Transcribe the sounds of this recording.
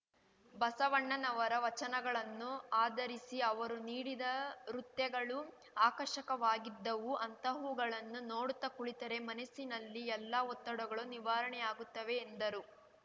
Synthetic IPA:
bɐsɐʋɐɳːɐnɐʋɐɾɐʋɐt͡ʃɐnɐɡɐɭɐnːuaːd̪ɐɾisiɐʋɐɾuniːɽid̪ɐɾut̪jɐɡɐɭu | aːkɐʃɐkɐʋaːɡid̪ːɐʋuʔɐnt̪ɐɦuːɡɐɭɐnːunoːɽut̪ːɐkuɭit̪ɐɾe̞mɐnɐsinɐlːiɛlːɐɔt̪ːɐɽuɡɐɭuniʋaːɾɐɳɛjaːɡut̪ːɐʋe̞ːnd̪ɐɾu

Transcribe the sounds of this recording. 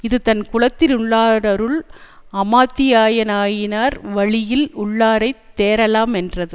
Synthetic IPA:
ɪðɯt̪ɐnkʊɭɐt̪ːɪlʊɭːaːɾɐɾɯɭɐmaːt̪ːɪjaːjɐnaːjɪnaːɾʋɐɭɪjɪlʊɭːaːɾɐɪt̪ːeːɾɐlaːmɛndrɐðɯ

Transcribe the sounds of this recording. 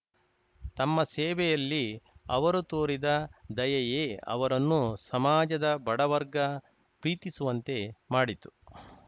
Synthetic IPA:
t̪ɐmːɐsɛːʋɛjɐlːiɐʋɐɾut̪oːɾid̪ɐd̪ɐjɐjeːɐ̰ʋɐɾɐnːusɐmaːd͡ʒɐd̪ɐbɐɽɐʋɐɾɡɐ | pɾiːt̪isuʋɐnt̪e̞maːɽit̪u̥

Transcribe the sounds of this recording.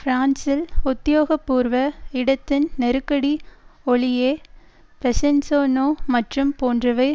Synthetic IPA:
fɾaːnsɪlʊt̪ːɪjoːɣɐpːuːɾʋɐɪɽɐt̪ːɪnnɛɾɯkːɐɽiɔɭɪjeː | pɛsɛnsoːnoːmɐʈrɯmpoːndrɐʋɐɪ

